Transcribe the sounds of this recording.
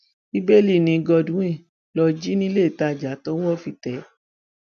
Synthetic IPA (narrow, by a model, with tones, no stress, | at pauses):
i˦be˦˨li˦˨nĩ˧ɡɔ˧dũ˨˦ĩ˦˨ | lɔ˧d͡ʒi˦nĩ˦le˦˨ta˧˨d͡ʒa˨˦tɔ˦wɔ˦˨fi˧˨tɛ˨˦